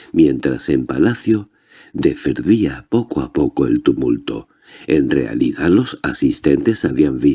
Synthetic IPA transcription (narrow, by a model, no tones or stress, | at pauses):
mjẽ̞nt̪ɾase̞mpalaθjo̞ | d̪e̞feɾðiapo̞koapo̞koe̞̰lt̪umult̪o̞̰ | e̞nre̞̰a̰liðalo̞sasist̪e̞nt̪e̞saβiaɱbi